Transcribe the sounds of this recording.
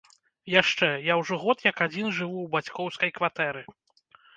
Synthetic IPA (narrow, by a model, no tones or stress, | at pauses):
jaʂt͡ʂɛjawʐɔɣɔt̪jɐkad͡zʲinʐɨvuwbat͡sʲkɔwskɐjkvat̪ɛɾɨ